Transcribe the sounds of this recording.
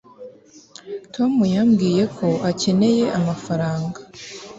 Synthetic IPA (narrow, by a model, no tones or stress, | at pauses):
tʰo̞mujamɡiːje̞kʰo̞ace̞ne̞je̞ʔamafaɾaːŋɡa